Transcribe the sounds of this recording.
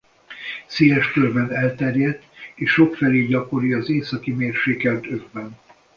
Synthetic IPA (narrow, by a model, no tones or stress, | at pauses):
seːɛʃkørbɛnɛlt̪ɛrjɛd̪eːʃʃo̞kfɛleːɟɒko̞ɾiɒzeːsɒkimeːrʃeːkɛlt̪øvbɛn